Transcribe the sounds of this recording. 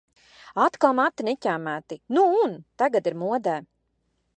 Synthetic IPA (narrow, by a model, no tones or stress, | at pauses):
at̪kalˠmat̪ːinɛcʲæːmæːt̪inuunt̪aɡat̪iɾmuɔd̪æː